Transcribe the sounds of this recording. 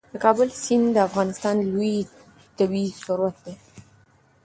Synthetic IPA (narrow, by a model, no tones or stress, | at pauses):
d̪əkɑbəlsind̪əafɣɑnɪst̪ɑnluj | t̪abisʊɾwat̪̚d̪e